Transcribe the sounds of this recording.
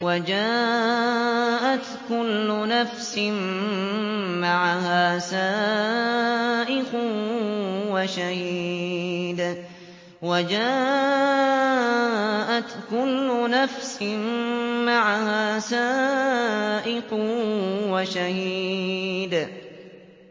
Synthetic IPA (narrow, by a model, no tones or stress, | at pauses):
wad͡ʒaː | ʔat̪kʊlːʊnafsɪm | maʕahaːsaː | ʔɪqʊ | waʃahiː | d̪ | wad͡ʒaː | ʔat̪kʊlːʊnafsɪnmaʕahaːsaː | ʔɪq | waʃah | d̪